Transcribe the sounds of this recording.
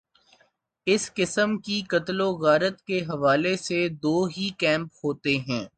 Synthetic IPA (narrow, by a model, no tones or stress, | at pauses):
ɪskɪsəmkikɐt̪loɣaːɾət̪keɦɐʋaːlesed̪oːɦikɛ̃ːmphoːt̪eɦɛ̃ː